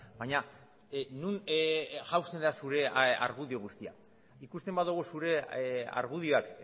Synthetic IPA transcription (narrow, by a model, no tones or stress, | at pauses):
baɲa | nunʝawst̪end̪asuɾe̞a̰ɾɣuðioɣ̞ust̪ia̰ | ikust̪e̞mbaðuɣ̞usuɾe̞a̰ɾɣuðio̞ak